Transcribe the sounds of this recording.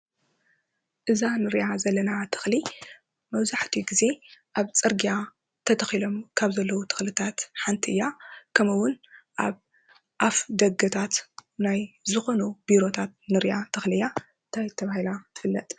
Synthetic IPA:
ʔɨzanɨɾjazɐlːɐnat̪ʰɨ̥xli | mɐβzaħt̪ʰiɡize̞ʔaβt͡sʼɨɾɡija | t̪ʰɐt̪ʰɐxilo̞mkʰaβzɐlːɐwut̪ʰɨ̥xlɨt̪ʰat̪ħant̪ʰiɨjːakʰɐmɐwʊnʔa̰β | ʔafd̪ɐɡɐt̪ʰat̪najzɨxo̞nubiɾo̞t̪ʰat̪̚nɨɾjat̪ʰɨxlɨja | ɨnt̪ʰajt̪ʰːɐβahilaɨfɨlːɐt̪ʼ

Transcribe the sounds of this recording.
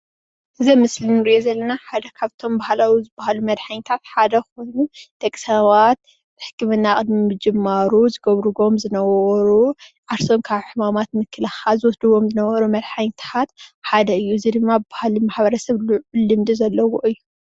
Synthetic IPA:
ʔɨzimɨslinɨɾɨʔjo̞zɐlːɐnaħad̪ɐkʰaβt̪ʰo̞mbahlawizɨbahalumɐd̪ħaɲt̪ʰat̪ħad̪ɐxo̞jnut̪ʰekʼsaβat̪̚ː | ɨħɨ̥kʰːɨmɨnːakʼɨd̪miɨd͡ʒɨmːaɾuzɨɡɐβɾɨɡo̞mzɨnɐβɐɐɾuʔaɾsonkʰaβħɨmamat̪mɨkʰːɨlɐxazɨwɔsd̪ɨβo̞mzɨnɐβɐɾumɐd̪ħaɲt̪ʰat̪ħad̪ɐɨjːuɨzid̪ɨmːabahalimaħβɐɾɐsɐβluʕulɨmd̪ɨzɐlːɐwoʔɨjːu

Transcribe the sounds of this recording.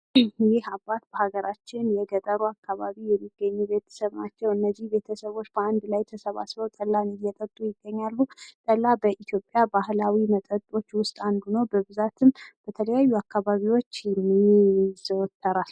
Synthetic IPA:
jɪhabat̪̚bəhaɡəɾʔat͡ʃːɪnjɛɡət̪ʼəɾuakːaβaβijɛmːiɡːəɲːube̞t̪ʰə̥səβnat͡ʃːɛwɨnːəzːihbe̞t̪ʰəsəβo̞t͡ʃːbəand̪lajt̪ʰəsəβa̰sβəwt̪ʼəlːanɨjɛt̪ʼət̪ʼːujɪɡːəɲːalːut̪ʼəlːabəʔit̪ʰjo̞pʼjabahlawimət̪ʼət̪ʼo̞t͡ʃːwʊst̪ʼand̪unobəβɨzat̪ʰɨmb̥ət̪ʰələjajːuakʰːaβaβiwo̞t͡ʃːjɛmːiz̥əwt̪ʰːəɾal

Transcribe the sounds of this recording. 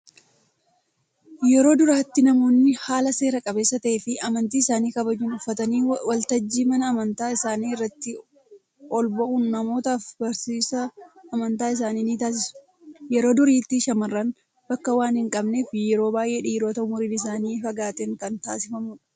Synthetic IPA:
jɛɾo̞ːd̪ʊɾaːt̪ːɪnɐmo̞ːnːɪhaːlɐse̞ːɾɐkʼɐbe̞ːsːɐt̪ɐʔeːfɪʔɐmɐnt̪iːɪsaːniːkɐbɐd͡ʒuːnʊfːɐt̪ɐniːwɐlt̪ɐd͡ʒːiːmɐnɐːmɐnt̪aːɪsaːniːɪrːɐt̪ːɪ | ɔlbɐʔunːɐmo̞ːt̪aːfbɐɾsiːsɐːmɐnt̪aːɪs̬aːniːniːt̪aːs̬ɪsʊ̥ | jɛɾo̞ːd̪ʊɾiːt̪ːɪʃɐmɐrːɐn | b̥ɐkːɐwaːnhɪŋkʼɐbne̞ːfjɛɾo̞ːbaːjʔeːᶑiːɾo̞ːt̪ɐʊmʊɾiːnɪs̬aːniːfɐɡaːt̪ɛːŋkɐnt̪aːsɪfɐmʊᶑɐ̥

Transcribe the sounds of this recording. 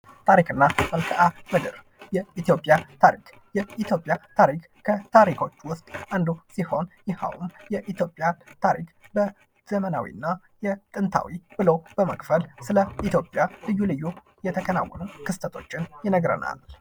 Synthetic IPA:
t̪ʰaɾikɨnːaməlkʰəʔaməɡ̪əɾ | jɛʔit̪jo̞pʼjat̪ʰaɾḭk | jɛit̪ʰjo̞pʼjat̪ʰaɾik | kʰət̪ʰaɾikʰo̞t͡ʃːwʊst̪ʼʔand̪usiho̞njɪha̰wumjɛʔit̪jo̞pʼjat̪ʰaɾḭkbə | z̥əməna̰wḭɨnːa | jɛt̪ʼɨnt̪ʰa̰wibɨlowb̥əməkʼfəlsɨləʔit̪ʰjo̞pʼːjalɨjːulɨjːu | jɛt̪ʰəkʰəna̰wːɔnukʰɨst̪ʰət̪ʰo̞t͡ʃːɪnjɪnəɡɾə̰na̰l

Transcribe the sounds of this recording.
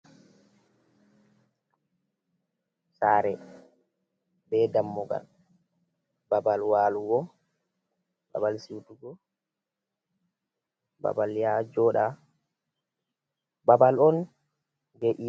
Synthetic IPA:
saːɾɛ | bɛdamːɔɡa̰l | babalwaːluɡɔ | ba̰balsiwtuɡɔ | ba̰baljad͡ʒɔːɗa | babalɔn | ɡeʔi

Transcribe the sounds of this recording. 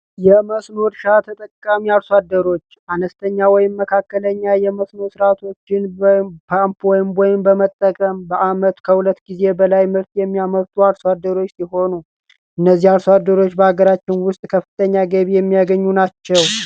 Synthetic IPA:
jɛməsno̞ɾʃat̪ʰət̪ʼəkʼːamiaɾswad̪ːəɾo̞t͡ʃːʔanəst̪ʰəɲːawɔjɪmːəkʰakːələɲːajɛməsno̞sɨɾat̪ʰo̞t͡ʃːɪnbpʰampwɔjɪmwɔjɪmbəmət̪ʼːəkʼəmbəʔamət̪kʰəhulət̪ːɡize̞bəlajmɨɾt̪jɛmːijaməɾt̪ʰʼuaɾsad̪ːəɾo̞t͡ʃːsiɦo̞nu | ʔɨnːəzːihalsad̪ːəɾo̞t͡ʃːbəaɡəɾat͡ʃːɪnwʊst̪ʼkʰəfɨt̪ʼʰəɲːaɡəβijɛmːijaɡəɲːunat͡ʃːɛw

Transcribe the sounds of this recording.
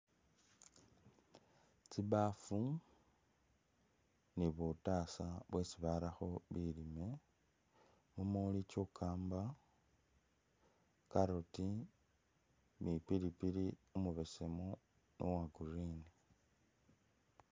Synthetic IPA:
t͡siβafu | niβutaːsaβwesiβaɾaxo̞βilime̞ | mumolit͡ʃokʰaːmba | kaɾoti | mipiɾipiɾiumuβe̞semo | nowaɡuɾini

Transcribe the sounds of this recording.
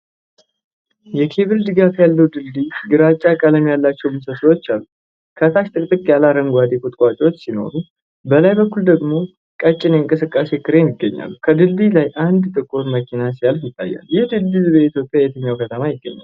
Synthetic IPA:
jɛkʰe̞βɨld̪ɨɡafjalːəwd̪ɨld̪iɡɨɾat͡ʃʼːakʼələmjalːat͡ʃːɛwmɨsəswot͡ʃːalːu | kʰət̪ʰaʃt̪ʼɨkʼt̪ʼɨkʼjalaɾəŋɡʷad̪ikʰut̪ʼkʼʷat͡ʃʼwo̞t͡ʃːsino̞̰ɾu | bəlajbəkːuld̪əɡmo̞ | kʼət͡ʃʼːɪneɨŋkʼɨsɨkʼːase̞kʰɨɾe̞mɪɡːəɲːa̰lːukʰəd̪ɨlbilajʔand̪t̪ʼɨkʼːoɾməkʰinasialjɪt̪ʰːa̰jːa̰ljɛhd̪ɨlbizbəit̪jo̞pʼːjajɛt̪ʰəɲːawkʰət̪ʰəmajɪɡːəɲːa̰

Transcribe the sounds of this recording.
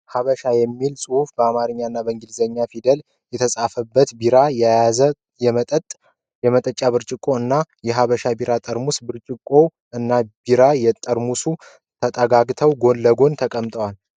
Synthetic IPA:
haβəʃajɛmːilsʼɨhufbəamaɾɨɲːaɨnːabəɨŋɡilzəɲːafid̪əl | jɛt̪ʰəsʼafəbːət̪biɾajajazə | jɛmʼət̪ʼ | jɛmət̪ʼət͡ʃʼːaβɨɾt͡ʃʼɪkʼo̞ɨnːajɛɦaβəʃabiɾat̪ʼəɾmusbɨɾt͡ʃʼɪkʼːo̞ | ʔɨnːabiɾajɛt̪ʼəɾmusu | t̪ʰət̪ʼəɡaɡt̪ʰəwɡo̞lːəɡo̞nt̪ʰəkʼəmt̪ʼəwal

